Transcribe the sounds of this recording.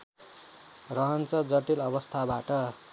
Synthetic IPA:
rʌɦʌnt͡sʌd͡zʌʈilʌbʌst̪ʰabaʈʌ

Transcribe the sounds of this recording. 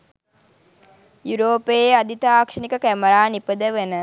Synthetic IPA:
juɾoːpead̪it̪aːkʂəɳikəkæməɾaːnipəd̪əʋənə

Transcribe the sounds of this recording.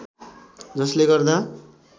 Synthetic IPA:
d͡zʌsleɡʌrd̪a

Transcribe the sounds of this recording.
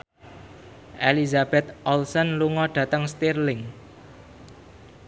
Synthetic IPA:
ʔelizab̥ɛt̪̚ʔɔlsɔnluŋɔɖ̥ä̤t̪əŋst̪irlɪŋ

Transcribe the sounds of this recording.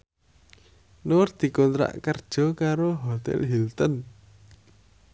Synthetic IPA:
nʊrd̪̥i̤kɔnt̪ɾa̰ʔkərd̥ʒ̥ɔ̤kaɾoɦɔt̪ɛ̰lɦilt̪ɔn

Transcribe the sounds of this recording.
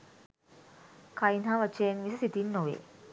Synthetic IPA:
kɐjinɦaːʋɐt͡ʃːeːnʋisisit̪inːoʋḛː

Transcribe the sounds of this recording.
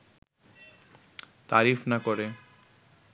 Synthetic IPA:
t̪aɾifnakoɾe

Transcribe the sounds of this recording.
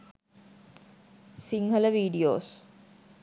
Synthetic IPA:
siŋɦələʋiːɖijo̰ːs

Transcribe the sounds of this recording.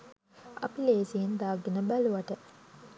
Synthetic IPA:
a̰pileːsijend̪aːɡenəbæluʋaʈə

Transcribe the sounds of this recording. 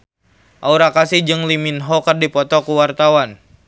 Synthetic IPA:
ʔauɾakasihd͡ʒɨŋliminɦɔkərdipɔt̪ɔkuwart̪awan

